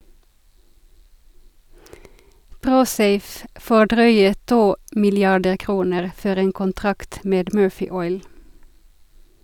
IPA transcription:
ˈpʁuːˌseɪf ˈfoː ˈɖʁœʏə ˈtuː mɪlɪˈɑɖə ˈkʁuːnəʁ ˈfɔɾ ˈeːn kʊnˈtʁɑkt ˈmeːd ˈmøːfɪ ˈɔʏl

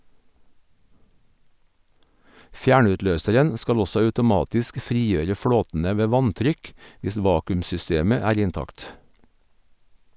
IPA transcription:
ˈfjæːɳʉtˌløːsəɾən ˈskɑl ˈɔsɔ ɑʉtʊˈmɑːtɪsk ˈfɾiːˌjøːɾə ˈfɽoːtn̩ə ˈʋeː ˈʋɑntɾʏk ˈʋɪs ˈʋɑːkʉmsʏˌsteːmə ˈæːɾ ɪnˈtɑkt

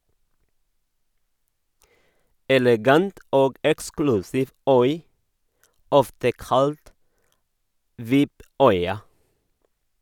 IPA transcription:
ɛlɛˈɡɑnt ˈoːɡ ˈɛksklʉsɪʋ ˈœʏ ˈɔftə ˈkɑlt ˈʋɪp ˈœʏɑ

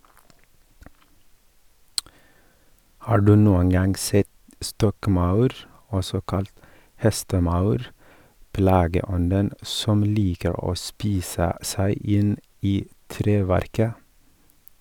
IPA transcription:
ˈhɑː ˈɖʉː ˈnuːəŋ ˈɡɑŋ ˈsɛt ˈstɔkˌmɑʉɾ ˈɔsɔ ˈkɑlt ˈhɛstəˌmɑʉɾ ˈplɑːɡəˌɔndən ˈsɔm ˈliːkəɾ ˈoː ˈspiːsə ˈsæɪ ˈɪn ˈiː ˈtɾeːˌʋæɾkə

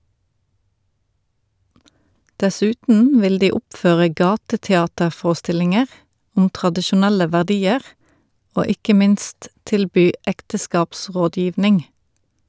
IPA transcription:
dɛˈsʉːtn̩ ˈʋɪl ˈdiː ˈɔpˌføːʁə ˈɡɑːtətɛˌɑːtəʁˌfoːʁəˌstɪlɪŋəʁ ˈʊm tʁɑdɪʃʊˈnælə ʋæʁˈdiːəʁ ˈoː ˈɪkə ˈmɪnst ˈtɪlˌbyː ˈɛktəˌskɑːpˌsʁoːˌdjiːʋnɪŋ

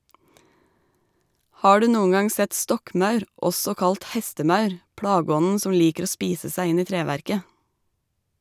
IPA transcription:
ˈhɑː ˈɖʉ ˈnuːʊŋ ˈɡɑŋ ˈsɛt ˈstɔkˌmɑʉɾ ˈʔɔsɔ ˈkɑlt ˈhɛstəˌmɑʉɾ ˈpɽɑːɡɔnn̩ ˈsɔm ˈliːkəɾ ˈoː ˈspiːsə ˈsæɪ ˈɪn ˈiː ˈtɾeːʋæɾkə

